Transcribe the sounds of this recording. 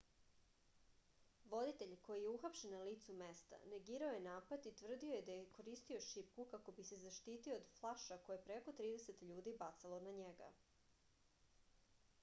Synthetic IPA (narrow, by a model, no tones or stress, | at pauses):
ʋo̞d̪it̪e̞ʎko̞jijeuxapʃennaliːt̪sumest̪a̰neɡiːɾaojenaːpad̪it̪ʋr̩d̪io̞jed̪ajeko̞ɾiːst̪io̞ʃip̚kukako̞bise̞zaʃt̪iːt̪ioːd̪flˠaʃako̞jeepɾe̞ko̞t̪ɾiːd̪ese̞t̪ʎuːd̪ibat̪salo̞naɲeɡa̰